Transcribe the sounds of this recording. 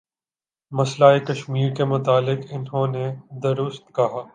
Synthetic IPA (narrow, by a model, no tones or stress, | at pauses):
mɐslaːekɐʃmiːɾkemʊt̪aːlɪqɪnɦõːned̪ɐɾʊst̪kɐɦaː